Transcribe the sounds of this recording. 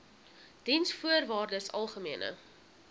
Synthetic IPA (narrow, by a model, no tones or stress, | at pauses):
d̥insfuərvɑːrdəsɐ̰lˠχəmiənʔə̰